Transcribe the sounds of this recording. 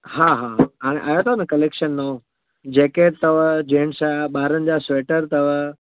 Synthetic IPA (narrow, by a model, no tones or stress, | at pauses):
haɦaɦɦaːɽ̃ḛʔaːjot̪ʰonəkɐleːkʃənno | d͡ʑeːket̪ɐʋd͡ʑẽːɳsaɓaːɾənɪ̆d͡ʑasʋeːʈəɾt̪ɐʋ